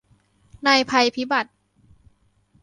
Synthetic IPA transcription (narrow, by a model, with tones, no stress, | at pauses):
na˧jpʰa˧jpʰi˦˥ba˨˩t̪̚